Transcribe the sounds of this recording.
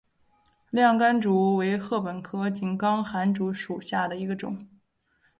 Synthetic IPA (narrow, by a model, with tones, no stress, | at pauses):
ljɑ˥˩ŋka˥nʈ͡ʂu˧˥we˧˥ɪxɤ˥˩pə˨˩nkʰɤ˥t͡ɕi˨˩nkɑ˥ŋxa˧˥nʈ͡ʂu˧˥ʂu˨˩ɕja˥˩d̪ə˩i˧˥ɡə˧ʈ͡ʂʊ̰˨˩˦ŋ